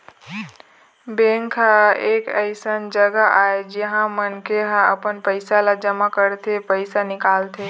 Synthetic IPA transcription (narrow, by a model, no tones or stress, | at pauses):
bẽŋkʰaekəɪsənd͡ʒəɡaʔaed͡ʒeɦãmənkeɦãəpənpəɪsalad͡ʒəmakəɾt̪ʰepəɪsanɪkaːlt̪ʰe